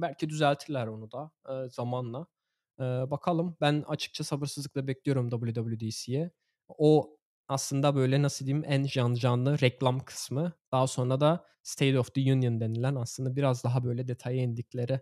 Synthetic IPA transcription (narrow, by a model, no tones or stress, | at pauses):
bælʲcʰid̪yzælʲt̪ʰilʲæɾo̞nud̪aːz̥amanlˠa | ɯːbakʰalˠɯmbæna̰t͡ʃʰɯ̥k̚t͡ʃʰasabɯɾsɯzɯk̚lˠabɛclijo̞ɾumd̪abɯlˠjud̪abɯlʲjud̪isijɛ | o | aslˠɯnd̪abø̞jlʲɛnasɯd̪ijimænʒand͡ʒanlˠɯɾɛclʲˠamkʰɯ̥smɯd̪̥aɦaso̞nɾad̪a | st̪ʰejd̪oft̪ɯjunjɯnd̪e̞nilʲænaslˠɯnd̪abiɾazd̪aɦabø̞jlʲɛd̪e̞t̪ʰajɛnd̪iclʲe̞ɾɪ